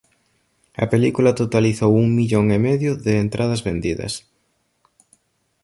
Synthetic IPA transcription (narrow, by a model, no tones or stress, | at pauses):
ɐ̰pelikulɐt̪ot̪aliθowuŋmiʎoŋemeðjʊðɪːnt̪ɾʔað̞ɐzβend̪iðɐ̰s